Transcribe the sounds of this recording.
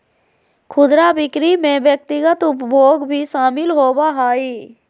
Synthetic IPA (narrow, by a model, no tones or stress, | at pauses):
kʰʊd̪ɾabɪkɾimẽʋjək̚t̪ɪɡət̪ʊpbʱoːɡbʱiʃaːmɪlɦoːbaɦaːiː